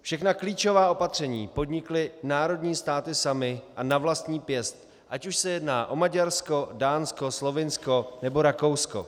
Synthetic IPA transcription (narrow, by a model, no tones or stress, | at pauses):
fʃɛxnakliːt͡ʃo̞vaːʔo̞pat̪r̝̥ɛɲiːpo̞dɲɪklɪnaːɾo̞dɲiːst̪aːt̪ɪsamɪʔanavlast̪ɲiːpjɛst̪̚ | ʔacuʃsɛjɛdnaːʔo̞maɟaɾsko̞daːnskoslo̞vɪnsko̞nɛbo̞ɾakowsko̰